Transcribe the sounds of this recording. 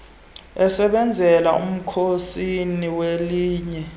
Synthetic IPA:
ɛsɛɓɛnd͡zʱɛla̰ṵm̩kʰosiniweliːɲɛ

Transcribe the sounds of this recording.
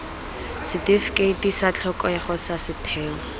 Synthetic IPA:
sɪtefkʼetisat͡ɬʰɔkʼɔaχɔsasɪtʰɛːŋɔ

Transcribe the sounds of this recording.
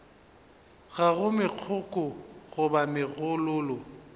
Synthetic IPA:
ɣaɣʊmɪq͡χʰʊkʼʊɣʊbamɪɣʊlʊːlɔ

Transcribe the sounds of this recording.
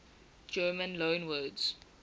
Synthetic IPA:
d͡ʒɜːmə̃nlõːnwɜːdz̥

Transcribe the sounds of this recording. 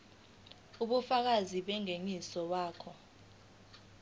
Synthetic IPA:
uɓufak̬aziɓɛŋeŋisɔwaːkʰɔ

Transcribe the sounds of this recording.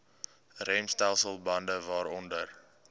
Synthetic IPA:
rɛmstɛlˠsəlˠbɐndəvɑːɾɔndər

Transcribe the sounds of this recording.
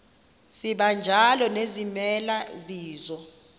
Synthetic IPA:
siɓand͡ʒʱalɔnezimɛlaɓiːzɔ

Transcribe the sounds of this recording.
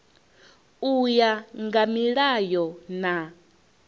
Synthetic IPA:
ujaŋɡamiɺajɔna

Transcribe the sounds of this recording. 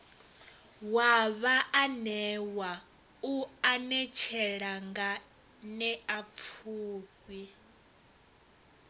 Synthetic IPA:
waβaʔanɛwa | uanɛt͡ʃʰɛɺaŋɡa | nɛap̪fʰuːkwi

